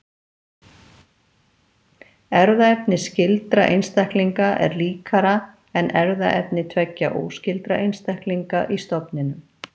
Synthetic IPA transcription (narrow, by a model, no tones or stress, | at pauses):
ɛɾðaɛpnɪscɪlt̪ɾaʔḛjnst̪ɛhkliŋkaʔɛ̰ɾliːkaɾa | ɛnɛɾðaʔɛpnɪt̪ʰvɛcːaʔo̰ːwscɪlt̪ɾaʔejnst̪ɛhkliŋkaʔist̪ɔpnɪnʏm